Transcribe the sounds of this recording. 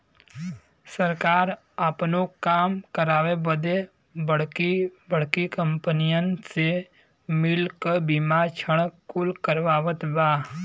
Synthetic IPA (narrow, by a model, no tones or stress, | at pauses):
səɾkaːɾ | apnokaːmkəɾaːʋebəd̪e | bəɽ̤kibəɽ̤kikə̃mpənijənse | mɪlkəbimat͡ʃʰəɽ̃kʊlkəɾʋaːʋət̪baː